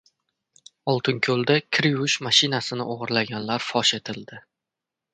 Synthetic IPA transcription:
ɒlˠt̪ʰɪŋkʲʰɵlˠd̪akʲʰɾʊʃmaʃɪnasɪnɪʔoʁɨɾlaɡʲanlaɾfɒʃe̞t̪ʰɪld̪̥ɪ

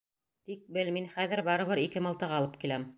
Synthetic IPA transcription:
t̪ik̚bɘlminχæðɘ̆ɾbɑɾɤ̆βɤɾikɘmɤ̆lˠt̪ɤʁɑlˠɤp̚kilæm

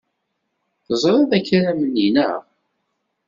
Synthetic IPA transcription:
θəzˤɾˤɑðˤæçɾæmənːinə̰

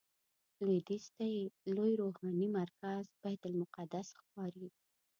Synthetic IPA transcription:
lid̪ist̪ajelojɾohɑnimaɾkazb̥ajd̪ʊlmʊqad̪asxpɑɾi

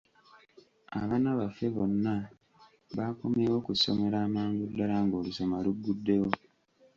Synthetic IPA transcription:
a̰βanaβafe̞βo̞nːa | βaːko̞meːwo̞kuso̞̰me̞ɾaːmaːŋɡudːalaŋɡo̞ːluso̞malubːudːe̞wo̞

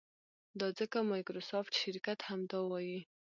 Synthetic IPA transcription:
d̪ɑd͡zəkamɑjkɾosofʈ̪ʃɪɾkat̪hamd̪ɑwɑji

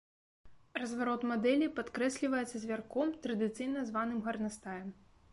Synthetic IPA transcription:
rɐzvaɾɔt̪mad̪ɛlʲipat̪kɾɛsʲlʲivɐjɛt̪sɐzʲvʲarkɔmt̪ɾɐd̪ɨt̪sɨjnɐzvanɨmɣɐrnɐst̪ajɛm

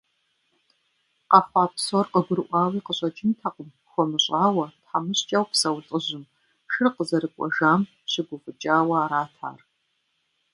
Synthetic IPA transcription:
qɐχʷɑːpsɔrqəɡʷʊɾɨʔʷɑːwiːqəɕʼɐt͡ʃʼɪmtʰaqəm | xʷɔmɨɕʼaːwɐtħamɨɕt͡ʃʼɐwpsɐwt͡sʼəʑɪm | ʃɨrqəzɐɾɨkʷʼɔ̰ʒaːm | ɕɪɡʷʊfɨt͡ʃʼaːwɐaːɾaːtʰa̰ːr

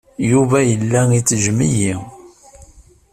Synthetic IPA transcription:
juvæjəlːæit͡sːʒmiji

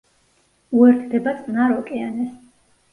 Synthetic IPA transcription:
uɛɾt̪ʰd̪ɛbat̪sʼnaɾɔkʼɛanɛs

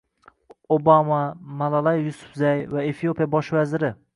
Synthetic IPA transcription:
obamamalˠalˠajːʊsʊ̥fzajvaefijopijabɒʃvazɪɾɪ

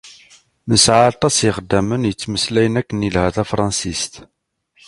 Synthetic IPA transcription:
nəsʕaɾt̪ˤɑsiχəd̪ːæmənjət͡sːməslæjənækːənilhæθæfɾˤɑnsist̪

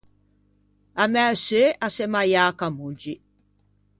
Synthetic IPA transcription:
amɛseʔasɛmajaːkamund͡ʒi

